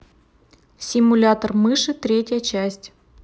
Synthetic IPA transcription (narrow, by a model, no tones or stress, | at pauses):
sʲɪmulʲat̪ərmɨʂɨt̪ɾʲetʲjət͡ɕæsʲtʲ